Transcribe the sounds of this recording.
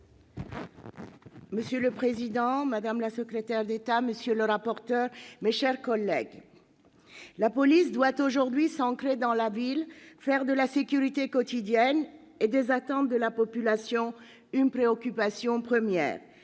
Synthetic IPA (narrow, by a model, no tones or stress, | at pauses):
məsjøləpχezid̪ɑ̃mad̪amlasəkχet̪ɛʁd̪et̪aməsjøləʁapɔʁt̪œʁmeʃɛʁkɔlːɛɡ | lapɔlisd̪wat̪oʒuʁd̪ɥisɑ̃k̪χed̪ɑ̃lavilfɛʁd̪əlasekʲyʁit̪ekɔt̪id̪jɛn | ed̪ezat̪ɑ̃d̪ʁd̪əlapɔpylasjɔ̃ | ynpχeɔkʲypasjɔ̃pχəmjɛ̰ːʁ